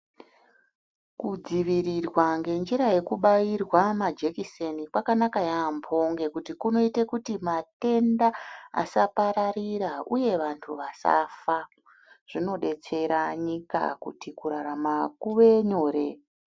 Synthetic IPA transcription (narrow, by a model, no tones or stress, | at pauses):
kud͡ziʋiɾirwaŋɡe̞nd͡ʒiɾaje̞kuɓajirwamad͡ʒekisenikwakanakajaːmpʰo̞ŋɡe̞kutikuno̞itekutimate̞ndaa̰sapaɾaɾiɾauje̞ʋantʰuʋasa̰fa | ʐ̥ino̞ɗe̞t͡se̞ɾaɲika̰kṵtikuɾaɾamakuʋe̞ɲo̞ːɾe̞